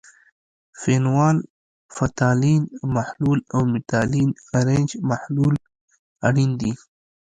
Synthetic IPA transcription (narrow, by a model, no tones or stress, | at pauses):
fenwɑːl | fat̪alinmahlulawmɪt̪alinaɾend͡ʒmahlul | aɽind̪i